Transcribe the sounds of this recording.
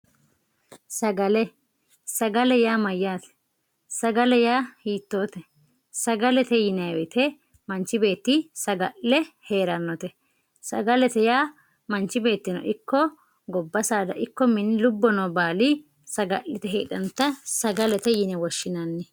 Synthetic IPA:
sɐɡɐlɛ | sɐɡɐlɛjaːmɐjːaːt̪ɛ̥ | sɐɡɐlɛjaːhiːt̪ːo̞ːt̪ɛ | sɐɡɐlɛt̪ɛjɪnɛwɛt̪ʰɛ | mɐnt͡ʃːɪbe̞ːt̪ːisɐɡɐʔːɛhe̞ːɾɐnːɔt̪ɛ | sɐɡɐlɛt̪ɛjaː | mɐnt͡ʃːɪbe̞ːt̪ːɪnɔ̰ʔɪkːɔ | ɡɔbːɐsaːd̪ɐ̰ʔɪkːɔmɪnːɪlʊbːɔnɐwbaːlɪ | sɐɡɐʔːɪt̪ɛɦḛːᶑɐnt̪ːɐsɐɡɐlɛt̪ɛjɪnɛwɔʃːɪnɐnːɛ

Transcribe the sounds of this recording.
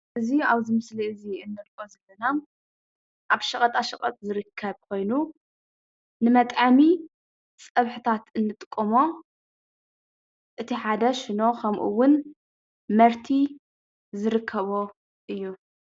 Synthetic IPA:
ʔɨziaβzɨmɨsliɨziɨnːɨɾkʼozɐlːɐna | ʔaβʃɐχʼɐt̪ʼaʃɐχʼɐ̰t̪ʼzɨɾɨkʰːɐβkʰo̞jnu | nɨmɐt̪ʼami | t͡sʼɐβħɨt̪ʰat̪ɨnːɨt̪ʼɨkʼːomo̞ | ʔɨt̪ʰiħad̪ɐʃɪno̞kʰɐmʔṵwʊn | mɐɾt̪ʰi | zɨɾɨkʰːɐβo̞ | ʔɨjːu

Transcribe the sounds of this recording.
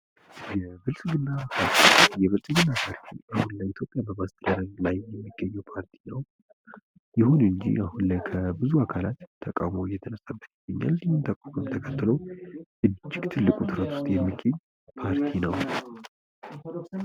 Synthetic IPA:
jɛbɨlsɡɨnːapʰaɾt̪ʰijɛβəsʼɨɡɨnːapʰaɾt̪ʰḭʔahunləit̪ʰjo̞pʼjabəmast̪ʰɨd̪əɾəɡlajːɛmːiɡ̥ːəɲːɛwpʰaɾt̪ʰi̥nəw | jɪhunɨɲd͡ʒḭahunlajkʰəbɨzuakʰalat̪ʰːəkʼa̰wmojɛt̪ʰənəsːabːət̪jiɡ̥əɲːa̰lsɨɲːɨnt̪ʰəkʼakʰɨmt̪ʰəkʰət̪ːɨləwʔɨd͡ʒːɪɡt̪ʰɨlːɨkʼut̪ʰɨɾət̪ʰʊ̥st̪ʼjɛmːiɡːəɲː | pʰaɾt̪ʰinəw

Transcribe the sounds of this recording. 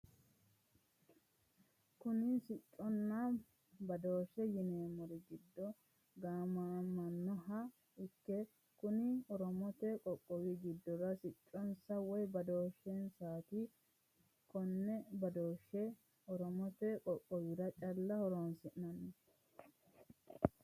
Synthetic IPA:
kʊnɪsɪt͡ʃʼːɔnːa | bɐd̪o̞ːʃːɛjɪneːmɔɾɪɡɪd̪ːɔ | ɡaːmamːɐnːɔɦɐ | ɪkːɛ | kʊnɪɔɾɔmɔt̪ɛkʼɔkʼːɔwɪɡɪd̪ːɔɾɐsɪt͡ʃʼːɔnsɐwɔjbɐd̪o̞ːʃːɛnsaːt̪i | kɔnːɛbɐd̪oːʃːɛ | ɔɾɔmɔt̪ɛkʼɔkʼːɔwɪɾɐt͡ʃʼɐlːɐhɔɾoːnsɪʔnɐnːɔ

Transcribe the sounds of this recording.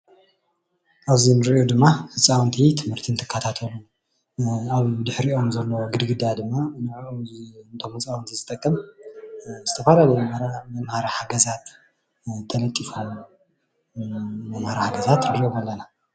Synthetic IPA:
ʔaβzinɨɾɨʔod̪ɨmːafɨt͡sʼːawnt̪ʰit̪ʰɨmhɨɾt̪ʰint̪ʰɨ̥kʰːat̪ʰat̪ʰɐlu | aβd̪ɨħɾiʔo̞mzɐlːoɡɨd̪ɡɨd̪ad̪ɨmːanɨʕ | nt̪ʰo̞mɨt͡sʼawnt̪ʰizɨt̪ʼɐkʼːɐm | zɨt̪ʰɐfalalɐmɾamɐmhaɾahaɡɐzat̪ | t̪ʰːɐlɐt̪ʼːifalːɐ | mɐmhaɾahaɡɐzat̪ɾɨɾiʔomalːɐna

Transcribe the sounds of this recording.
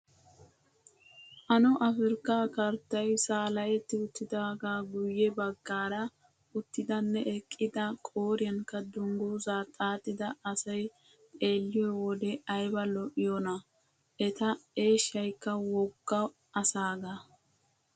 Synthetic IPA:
ʔɐnɔʔɐfɪɾkːaːkɐɾt̪ːɐjsaːlɐjɛt̪ːɪʊt̪ːɪd̪aːɡaːɡʊjːɛbɐɡːaːɾɐ | ʊt̪ːɪd̪ɐnːɛʔɛkʼːɪd̪ɐkʼoːɾɪjɐŋkːɐd̪ʊŋɡuzaːt̪ʼaːt̪ʼːɪd̪ɐɐsɐj | pʼe̞ːlːɪjɔwɔd̪ɛɐjbɐlɔʔɪjonɐ | ʔɛt̪ɐe̞ːʃːɐjkːɐwɔɡːɐ | ɐsaːɡa

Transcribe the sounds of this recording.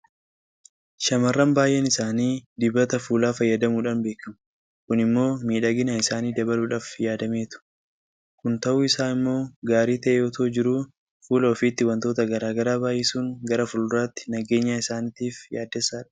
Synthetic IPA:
ʃɐmɐrːɐmbaːjʔɛnɪsaːniːd̪ɪbːɐt̪ɐfuːlaːfɐjːɐd̪ɐmuːᶑɐnbeːkɐmɐ | kʊnɪmːo̞ːmiːᶑɐɡɪnaɪsaːniːd̪ɐbɐluːᶑaːfjaːd̪ɐmeːt̪ʊ̥ | kʊnt̪ɐʔuːɪsaːnɪmːo̞ːɡaːɾiːt̪ɐʔeɔt̪ʰoːd͡ʒɪɾuː | fuːlɐɔfiːt̪ːɪwɐnt̪oːt̪ɐɡɐɾaːɡɐɾaːbaːʔjɛsuːŋɡɐɾɐfʊlʊraːt̪ːɪ̥nɐɡe̞ːɲːaːɪsaːnɪt̪iːfjaːd̪ːɛsːaːᶑɐ̥

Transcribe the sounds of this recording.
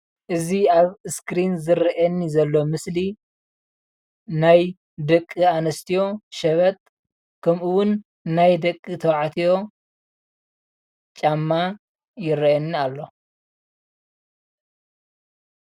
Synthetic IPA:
ʔɨziaβɨskɾinzɨɾɐʔɐnːizɐlːo̞mɨsli | naj | d̪ɐkʼːianɐst̪ʰijo̞ʃɐβɐt̪ʼ | kʰɐmʔɨwʊnː | ajd̪ɐkʼːit̪ʰɐwʕat̪ʰijo̞ | t͡ʃʼamːa | jɪɾɐjɐnːialːo̞

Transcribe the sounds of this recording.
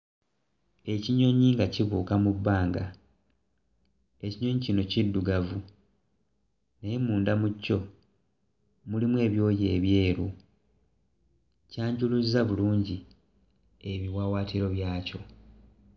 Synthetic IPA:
e̞ciɲo̞ɲiŋɡaciβuːkamubːaːŋɡa | e̞ciɲo̞ɲicino̞cidːuɡavu | nejemuːndamucːo̞ | mulimwe̞ːβjo̞ːje̞ːβje̞ːɾu | caːɲɟuluzaβuluːɲɟi | eβiwawaːtiɾo̞βjaːco̞

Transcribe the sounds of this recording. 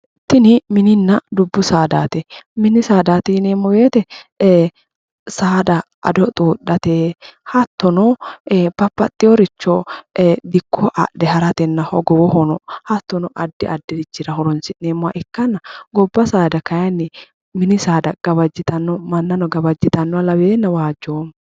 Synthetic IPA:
t̪ːɪnɪmɪnɪnːɐd̪ʊbːʊsaːd̪aːt̪ɛmɪnɪsaːd̪aːt̪ɪneːmːɔbeːt̪ɛ | saːd̪ɐ | ʔɐ̰d̪ɔt̪ʼuːᶑːɐt̪eːhɐt̪ːɔnɔb̥ɐpːɐt̪ʼːɪjɔɾɪt͡ʃːɔd̪ɪkʰːɔʔɐ̰dɛhɐɾɐt̪ɛnːɐhɔ̰ɡɔwɔhɔnɔhɐt̪ːɔnɔʔɐd̪ːɪʔɐd̪ːɪɾɪt͡ʃːɪɾɐhɔɾɔnsɪnneːmːʊwɐ̰ʔɪkːɐnːɐɡɔbːɐsaːd̪ɐkɐjɐnːɪ | mɪnɪsaːd̪ɐɡ̥ɐbɐd͡ʒːɪt̪ɐnːɔmɐnːɐnɔɡɐbɐd͡ʒːɪt̪ɐnːɔwalɐbeːnːɐwaːd͡ʒːoːm

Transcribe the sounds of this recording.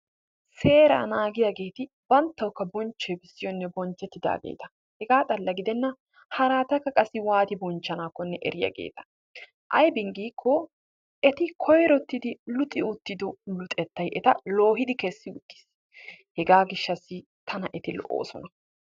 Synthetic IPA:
se̞ːɾa̰ːnaːɡɪjaɡe̞ːt̪ɪ | bɐnt̪ːɐwkːɐbɔnt͡ʃːɛjbɪsːɪjɔnːɛbɔnt͡ʃːɛt̪ːɪd̪a̰ːɡḛːt̪ɐ̥ | hɛɡaːt̪ʼɐlːɐɡɪd̪ɛnːɐ | hɐɾaːt̪ɐkːɐkʼɐsɪwaːt̪ɪbɔnt͡ʃːɐnaːkːɔnːɛʔɛ̰ɾɪjɐ̰ɡḛːt̪ɐ̥ | ʔɐ̰jbɪŋɡiːkʰːoː | ʔɛt̪ɪkʰɔjɾɔt̪ːɪd̪ɪlʊt̪ʼːɪʊt̪ːɪd̪ɔlʊt̪ʼɛt̪ːɐjʔɛt̪ɐ̰lo̞ːɦɪd̪ɪkɛsːɪʊt̪ːɪ̥s | hɛɡaːɡɪʃːɐsːɪ | t̪ʰɐnɐʔɛt̪ɪlɔ̰ʔːo̰ːsɔnɐ

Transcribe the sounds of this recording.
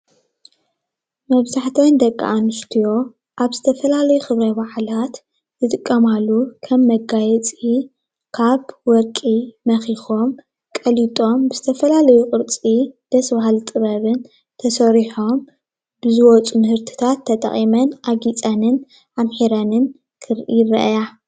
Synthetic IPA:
mɐβzaħt̪ʰond̪ɐkʼːa̰ʔanɨst̪ʰijo̞ | ʔaβzɨt̪ʰɐfɐlalɐjuxɨβɾɐbaħlat̪ | zɨt̪ʼɨkʼːɐmalːukʰɐmːɐɡajɛt͡sʼi | kʰaβwɔɾkʼimɐxixo̞m | kʼɐlit̪ʼo̞mbɨzɨt̪ʰɐfɐlalɐjukʼɨɾt͡sʼid̪̥ɐsbaɦalt̪ʼɨβɐβɨn | t̪ʰɐsɐɾiħo̞m | bɨzɨwɔt͡sʼunɨhɨɾt̪ʰi̥t̪ʰat̪ʰːɐt̪ʼɐ̰χʼimɐnʔaɡit͡sʼɐnɨn | ʔamħiɾanɨn | kʰɨɾʔirɐ̰ʔja

